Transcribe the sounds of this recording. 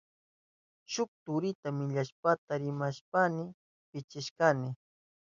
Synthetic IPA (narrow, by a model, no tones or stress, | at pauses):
ʃʊk̚t̪ʊɾɪt̪amɪʎaʃpat̪aɾɪmaʃpanɪ | pɪt͡ʃɪʃkanɪ